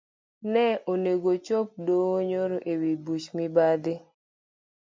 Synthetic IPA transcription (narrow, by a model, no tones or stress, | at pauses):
nɛʔoneɡot͡ʃop̚doɲoɾoʔewibut͡ʃmɪbad̪ɪ